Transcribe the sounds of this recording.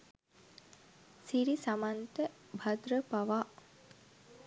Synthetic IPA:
siɾisamant̪əbʱad̪ɾəpaʋaː

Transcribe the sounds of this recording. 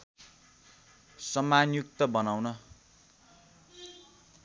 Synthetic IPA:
sʌmanjuk̚t̪ʌbʌnawnʌ

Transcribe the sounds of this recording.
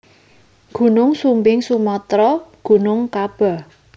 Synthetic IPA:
ɡ̥ṳnʊŋsumbɪŋsumɔt̪ɾɔɡ̥ṳnʊŋkab̥a̤

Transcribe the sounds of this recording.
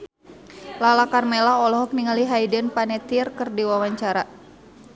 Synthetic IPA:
lalakarmɛlaɔlɔɦɔk̚niŋaliɦaidənpanɛt̪irkɨrdiwawaɲt͡ʃaɾa

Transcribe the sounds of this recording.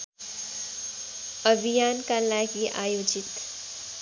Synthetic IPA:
əbʱijaːnkalaːjkiʔaːjoːd͡ʒɪt̪

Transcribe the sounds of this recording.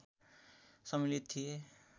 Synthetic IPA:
sʌmilit̪ʰːie

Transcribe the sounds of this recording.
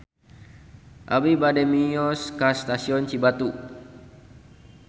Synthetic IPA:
ʔabibadɛmiɔskast̪asiɔnt͡ʃibat̪u

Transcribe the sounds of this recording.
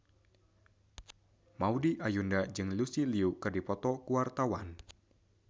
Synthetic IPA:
maudiʔajundad͡ʒɨŋlusiliukɨrdipɔt̪ɔkuwart̪awan

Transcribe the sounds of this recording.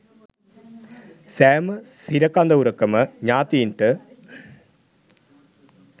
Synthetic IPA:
seːmɨsiɾɐkːaːnd̪ɐuɾɐkːɐmɐɲaːt̪ːijiɳʈɨ

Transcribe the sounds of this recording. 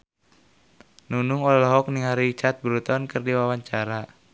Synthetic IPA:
nunuŋɔlalɔɦɔk̚niŋɦaɾit͡ʃat̪̚bəɾut̪ɔnkərdiwawaɲt͡ʃaɾa

